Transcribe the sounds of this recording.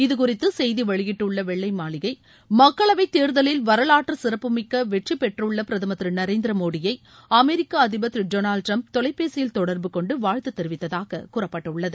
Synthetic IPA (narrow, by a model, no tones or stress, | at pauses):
ɪðɯkʊrɪt̪ːɯsɛjðiʋɐɻɪɣɪʈːɯɭːɐʋɛɭːɐɪmaːlɪɣɐɪ | mɐkːɐɭɐʋɐɪt̪ːeːɾðɐlɪlʋɐɾɐlaːʈːɾɐsɪɾɐpːɯmɪkːɐʋɛʈripːɛʈrɯɭːɐpɪɾɐðɐmɐt̪ːɾɯnɐɾeːnd̪ɪɾɐmoːɽɪjɐɪ | ɐmɛɾɪkːaɐðɪbɐt̪ːɾid͡ʒoːnaːlʈɾɐmp̚t̪ɔlɐɪpːeːsɪjɪlt̪ɔɽɐɾbɯkɔɳɖɯʋaːɻt̪ɯt̪ːɛɾɪʋɪt̪ːɐðaːɣɐkʊrɐpːɐʈːɐʊɭːɐðɯ